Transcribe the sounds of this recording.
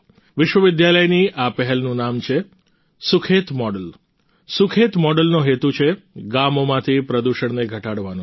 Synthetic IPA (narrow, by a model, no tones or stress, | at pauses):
ʋɪʃʋəʋɪd̪jaləjniʔapɛɦɛlnũnamt͡ʃʰe | sʊkʰet̪mɔɖəl | sʊkʰet̪mɔɖəlnoɦet̪ut͡ʃʰeɡamomãt̪ʰipɾəd̪uʃəɳ̃neɡʱəʈaɽʋanũ